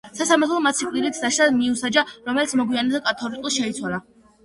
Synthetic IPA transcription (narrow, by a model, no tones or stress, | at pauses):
sasamaɾt̪ʰlˠɔmat̪sʰikʼlilit̪ʰd̪aʃad̪miusad͡ʒaɾɔmɛlit̪sʰmɔɡwianɛzakʼat̪ʰɔɾit̪ʼulˠʃɛit̪sʰwalˠa